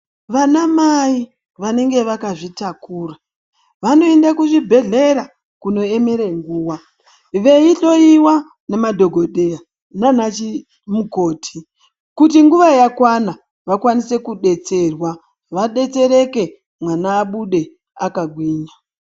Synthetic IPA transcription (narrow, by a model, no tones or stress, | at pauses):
ʋanamai | ʋane̞ŋɡe̞ʋakaʐitakuːra | ʋano̞endakuʐibʱe̞ɮe̞ɾa | kuno̞e̞me̞ɾeŋɡuːwa | ʋe̞iɬo̞iwa | nemadʱo̞ɡʱoɗea | nanat͡ʃi | muko̞ːtʰi̥ | kutiŋɡuʋajakwana | ʋakwanise̞kuɗe̞t͡se̞rwa | ʋaɗe̞t͡se̞ɾe̞ke̞ | mwanaːɓuɗe̞ | akaɡʱwiːɲa